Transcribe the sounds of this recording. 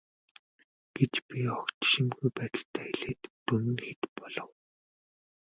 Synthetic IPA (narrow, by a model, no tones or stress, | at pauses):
ɡ̥et͡ɕpʲiɔkt̪ʃĭmɡujpæːt̪ə̆ɬt̪ʰæːxeɮeːt̪ːɵmɘ̆nxet̪pɔɮɞ̆w